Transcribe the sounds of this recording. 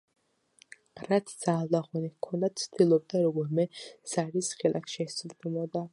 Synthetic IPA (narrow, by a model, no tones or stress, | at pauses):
ɾat̪ʰd̪z̥aːlˠaχɔnikʰɔnd̪at̪sʰd̪̥ilˠɔb̚d̪aɾɔɡɔɾmɛz̥aɾisχɛlʔa̰χʃiɛsd̪ɛmɔd̪a